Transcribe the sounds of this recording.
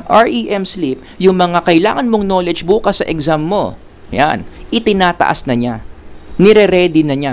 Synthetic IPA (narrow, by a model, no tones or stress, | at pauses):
ʔaɹʔiʔɛmslip̚jʊŋmɐŋakɐʔɪla̰ːŋɐnmo̞ŋno̞ːlɛd͡ʒbuːkɐsːɐʔɛɡzamːo̞̰ | ja̰nʔɪt̪ɪnaːt̪ɐ̰ʔasnɐɲanɛɾɛɾɛd̪ɪnɐɲa